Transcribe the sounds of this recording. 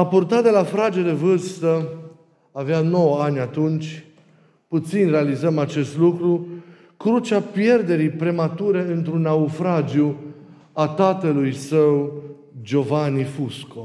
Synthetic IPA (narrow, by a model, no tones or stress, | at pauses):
apurt̪at̪̚d̪e̞lafɾad͡ʒed̪e̞vɨrst̪ə | aveano̞wanʲat̪unt͡ʃʲ | put̪sinʲre̞alizəmat͡ʃe̞st̪lukɾu | kɾut͡ʃapje̞rd̪e̞ɾijpɾe̞mat̪uɾe̞ɨnt̪ɾunaufɾad͡ʒiu | at̪at̪əlujsəw | d͡ʒo̞vanifusko